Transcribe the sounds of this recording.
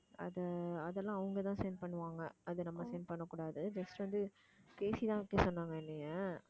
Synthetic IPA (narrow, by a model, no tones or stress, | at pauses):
ɐ̰ðɐɐðɛlːãːɐʋɐŋɡɐt̪ãːsɐɪnɖpɐɳːɯʋaːŋɡɐɐðɯnɐmːɐsɐɪnɖ̚pɐɳːɐkːuːɽaːðɯd͡ʒɐsʈʋɐnd̪ɯ | keːsit̪ãːɪkːesɔnːaːŋɡɐɪnːejɐ